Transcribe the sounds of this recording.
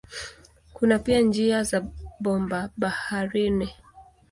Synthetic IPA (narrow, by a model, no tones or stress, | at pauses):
kunapiand͡ʒiazaɓɔmbaɓahaɾini